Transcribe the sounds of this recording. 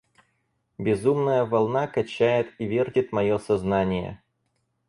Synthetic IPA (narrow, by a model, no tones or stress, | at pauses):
bʲɪzumnəjəvɐlˠnakɐt͡ɕːæjɪt̪ivʲe̞rtʲɪt̪mɐjosɐznanʲɪjə̰